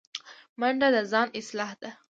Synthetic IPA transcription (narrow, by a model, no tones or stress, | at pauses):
maɳɖad̪azɑnɪslɑːhd̪̥a